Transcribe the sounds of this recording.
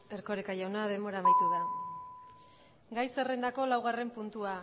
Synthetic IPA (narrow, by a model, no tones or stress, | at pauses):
e̞ɾko̞ɾekaʝawnað̞e̞mbo̞ɾamajt̪uða | ɡajsere̞nd̪ako̞lawɣ̞are̞mpunt̪ua